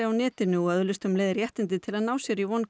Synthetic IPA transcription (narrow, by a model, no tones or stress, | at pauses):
awnɛːt̪ɪnʏɔœðʏlʏst̪ʏmleːjðɪɾjɛht̪ɪnt̪ɪt̪ʰɪlaðnaːwsjɛɾivɔnː